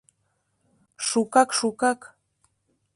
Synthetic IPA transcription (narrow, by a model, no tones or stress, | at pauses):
ʃʊkakʃʊkak